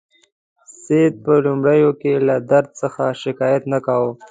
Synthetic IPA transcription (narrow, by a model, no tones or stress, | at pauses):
sed̪̚pəlʊmɽəjokelad̪aɾd̪̚səxaʃɪkɑjat̪nakawo